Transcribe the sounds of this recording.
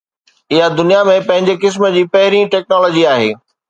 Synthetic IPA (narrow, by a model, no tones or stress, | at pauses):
ɪɦad̪ʊnijamẽpɐ̃ɦɪ̃ɲd͡ʑekɪs̬mə̆d͡ʑiːpɐɦɪɾiʈɛːk̚nɔːlɔːd͡ʑiaːɦḛː